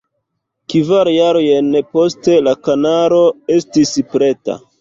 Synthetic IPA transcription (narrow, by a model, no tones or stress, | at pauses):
kivaɾjaɾojenpo̞ste̞lakanaɾo̞e̞stispɾe̞ta̰